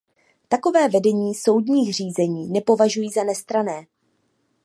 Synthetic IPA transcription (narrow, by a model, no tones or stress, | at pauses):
t̪ako̞vɛːvɛdɛɲiːso̞wdɲiːxr̝iːzɛɲiːnɛpo̞vaʒujiːzanɛst̪ɾanɛː